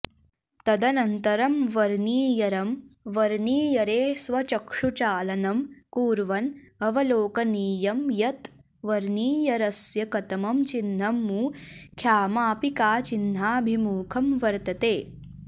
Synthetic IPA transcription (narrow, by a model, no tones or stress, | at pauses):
t̪ɐd̪ɐnɐnt̪ɐɾɐmʋɐɾniːjɐɾɐmʋɐɾniːjɐɾeːsʋɐt͡ʃɐkʂut͡ʃaːlɐnɐmkuːɾʋɐnɐʋɐloːkɐniːjɐmjɐt̪ | ʋɐɾniːjɐɾɐsjɐkɐt̪ɐmɐmt͡ʃinːɐmːukʰjaːmaːpikaːt͡ʃinːaːbʱimuːkʰɐmʋɐɾt̪ɐt̪eː